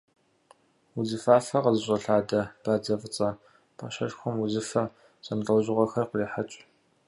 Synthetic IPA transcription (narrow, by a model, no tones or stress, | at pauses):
wuzɨfaːfɐqəzɨɕʼɐɬaːdɐb̥aːd͡zɐvɨt͡sʼɐ | pʰɐ̰ɕɐɬxʷʊmwʊzɨfɐ | sʼɐnrɐwʑɪʁʷɐxɐrqəriːħat͡ʃʼ